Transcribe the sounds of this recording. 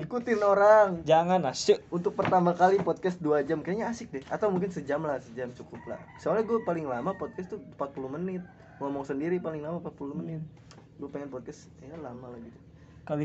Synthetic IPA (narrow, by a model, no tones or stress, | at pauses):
ikut̪ɪnoɾaŋd͡ʒaŋanasəunt̪ʊk̚pərt̪amakalipɔd̪̚kɛsduad͡ʒamkaaɲaːsɪk̚dɛhʔa̰t̪awmuŋk̬ɪnsəd͡ʒamlasəd͡ʒamt͡ʃukʊpla̰̥saalaɡuapalɪŋlamapɔd̪̚kɛst̪umpat̪̚pulumənɪt̪̚ | ŋomɔŋsəndiɾipalɪŋlamampat̪̚puluhmənɪt̪̚ | ɡuapeŋɛnpɔd̪̚kɛs | jalamalahɡit̪u̥ | kali